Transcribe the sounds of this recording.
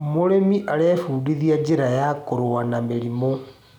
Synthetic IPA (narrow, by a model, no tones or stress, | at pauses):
moɾemiʔaɾeːfuːdiðiad͡ʑeɾajakoɾowanameɾimo